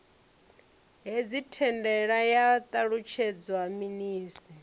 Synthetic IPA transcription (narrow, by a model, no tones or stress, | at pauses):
ɦed͡zitʰɛndɛɺajat̪ʼaɺut͡ʃʰɛd͡zwaminiːsi